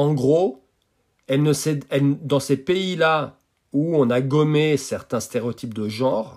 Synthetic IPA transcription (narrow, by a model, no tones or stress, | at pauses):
ɑ̃ɡʁo | ɛlnəsɛɛld̪ɑ̃sepeila | uɔ̃naɡɔmesɛʁt̪ɛ̃st̪eʁeot̪ʰip̚d̪əʒɑ̃ʁ